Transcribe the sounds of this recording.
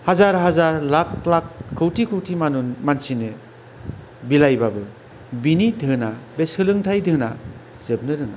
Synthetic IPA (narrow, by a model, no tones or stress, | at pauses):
hazaɾɦazaɾlaklakʰːɯwtʰikʰɯwtʰimanunmansinɯ | bilajbabɯ | binidʱɯnabesɯlɯŋtʰajdʱɯna̰ | z̥ɯb̚nɯɾɯŋa̰